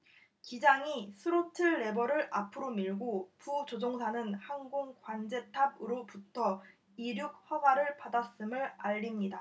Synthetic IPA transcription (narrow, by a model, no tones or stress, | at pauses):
kid͡ʑaŋisʰɯɾotʰɯːe̞bʌɾɯɭapʰɯɾomiɭɡoput͡ɕod͡ʑoŋsʰanɯnhanɡoŋkwand͡ʑe̞tʰabɯɾoputʰʌ | iɾjuk̚ɸwaɡwaɾɯɭpadas͈ɯmɯɭaʎːimɲida